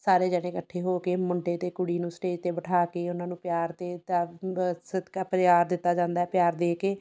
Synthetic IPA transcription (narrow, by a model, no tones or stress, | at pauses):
saːɾeːd͡ʒɛːɽ̃ẽːkəʈʰːeːɦoːkeːmʊɳɖeːt̪eːkʊɽiːnũːsʈeːd͡ʒt̪eːbəʈʰaːkeːʊnãːnũːpjaːɾt̪eː | sɪd̪kaːpəɾt͡ʃaːɾd̪ɪt̪ːaːd͡ʒãːnd̪aːɛpjaːɾd̪eːkeː